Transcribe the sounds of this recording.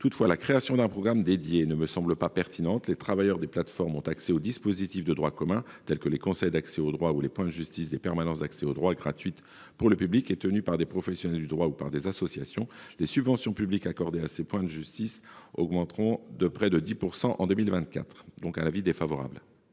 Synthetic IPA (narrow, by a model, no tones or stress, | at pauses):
t̪ut̪fwalakχeasjɔ̃d̪ɛ̃pχɔɡʁamd̪ed̪jeːnəməsɑ̃bləpapɛʁt̪inɑ̃t̪let̪χavajœʁd̪eplat̪fɔʁmɔ̃t̪aksɛod̪ispozit̪ifd̪əd̪ʁwakɔmɛ̃ | t̪ɛlkəlekɔ̃sɛjd̪aksɛod̪ʁwaulepwɛ̃d̪əʒyst̪isd̪epɛʁmanɑ̃sd̪aksɛod̪ʁwaɡʁat̪ɥit̪ | puʁləpyblikɛt̪ənypaʁd̪epχɔfɛsjɔnɛld̪yd̪ʁwaupaʁd̪ezasɔsjasjɔ̃lesybvɑ̃sjɔ̃pyblikakɔʁd̪easepwɛ̃d̪əʒyst̪isɔ̰ɡmɑ̃t̪χɔ̃d̪əpχɛd̪əd̪ipuʁsɑ̃ʔɑ̃d̪ømilvɛ̃t̪̚ka̰t̪χd̪ɔ̃kanavid̪efavɔʁa̰bl